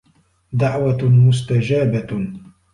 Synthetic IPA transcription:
d̪aʕwamʊst̪ad͡ʒaːba

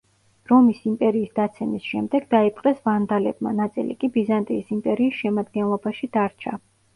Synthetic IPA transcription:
ɾɔmisimpʼɛɾiːsd̪̥at̪sʰɛmisʃɛmd̪ɛɡd̪aipʼqʼɛsvand̪alɛb̚ma̰nat̪sʼḭlḭkʼibizant̪ʼiːsimpʼɛɾiːsʃɛmad̪̚ɡɛnlˠɔbaʃid̪̥aɾt͡ʃʰa

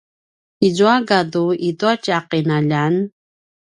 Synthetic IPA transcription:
izuaɡaduituacaqinaʎan

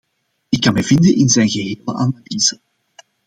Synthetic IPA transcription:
ɪkːɑnmɛjvɪnd̪ənʔɪnzɛjnɣəɦeːlə̰ʔanaliːz̥ə

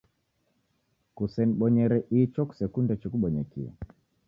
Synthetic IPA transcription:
kusɛniɓɔɲɛɾɛʔit͡ʃɔku̥sɛkundɛt͡ʃikuɓɔɲɛkḭɛ̰

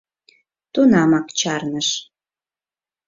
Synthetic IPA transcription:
t̪unɑmɑkt͡ɕɑrnəʃ

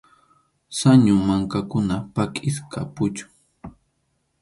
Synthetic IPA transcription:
saɲʊmaŋkakʊnapakʼɪskʰa̰pʊt͡ʃʊ̥

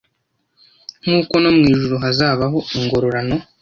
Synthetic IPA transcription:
ŋ̥uːko̞nomŋiːʒuɾuɦazaːβaɦo̞iŋɡo̞ɾoɾano̞

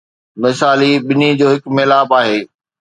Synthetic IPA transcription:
mɪsaːliɓɪnid͡ʑoːɦɪkmeːlaːbaːɦeː

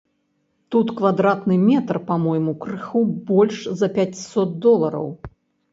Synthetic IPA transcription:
t̪ut̪kvad̪ɾat̪nɨmʲɛt̪rpamɔjmukɾɨxubɔlʲʂzɐpʲat͡sʲsɔt̪̚d̪ɔlˠɐɾɐ̰w

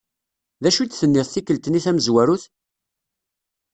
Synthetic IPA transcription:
ðæʃut͡s̪ːθənːɪðˤθikːəlt̪niθæməzwæɾuθ

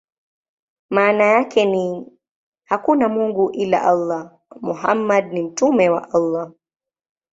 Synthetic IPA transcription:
maːnajakʰɛni | hakunamuŋɡuʔila̰ʔɑlːa | muɦamːad̚nim̩tumɛwa̰ʔɑlˤːa

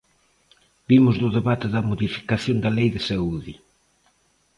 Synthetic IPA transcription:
b̥imʊzðʊðeβat̪ɪðɐmoðifi̥kaθjond̪ɐlejðɪsauði

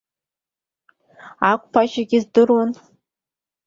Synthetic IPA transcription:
akʷʰʼpʰaʃaɡʲɪzdɨrwan

